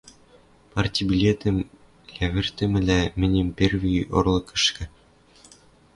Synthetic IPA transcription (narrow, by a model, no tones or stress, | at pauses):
pɑrʲt̪ʲibʲilʲet̪ʲɘ̆m | læβʲɘ̆rʲt̪ʲɘ̆mʲɘ̆lʲæmʲɘ̆nʲɘ̆mʲpʲerʲvʲio̰rlˠɤ̆kɤ̆ʃkʲɘ̆